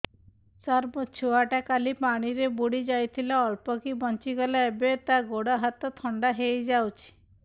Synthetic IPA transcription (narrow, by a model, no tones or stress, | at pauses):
saɾbɔt͡ʃʰuaʈakalipaɽ̃iɾebuɽid͡ʒajt̪ʰilaɔlpɔkibɔnt͡ʃiɡɔlaebet̪aɡoɽaɦat̪ɔt̪ʰɔɳɖaɦejd͡ʒawt͡ʃʰi̥